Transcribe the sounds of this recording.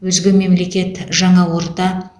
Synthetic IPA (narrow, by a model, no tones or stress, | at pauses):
wɵzɡʲɪme̞mle̞kʲe̞t̪ʒɑɴɑwoɾt̪ɑ